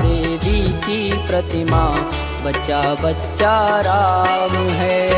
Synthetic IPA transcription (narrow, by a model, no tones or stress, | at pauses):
d̪eːʋikipɾɐt̪ima | bɐtːʃabɐtːt͡ʃaɾaːmɦɛ